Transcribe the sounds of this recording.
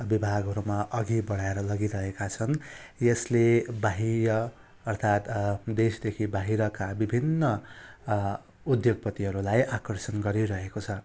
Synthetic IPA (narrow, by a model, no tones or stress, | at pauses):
bibʱaɡʱɦʌɾumaʔʌɡibʌɽ̤aeɾʌlʌɡiɾʌɦekat͡sʰʌnjʌslebaɦiɾʌ | ʌrt̪ʰat̪d̪esd̪ekʰibaɦiɾʌkabibʱinːʌ | ud̪joɡ̚pʌt̪iɦʌɾulajʔakʌrsʌnɡʌɾiɾʌɦekot͡sʰʌ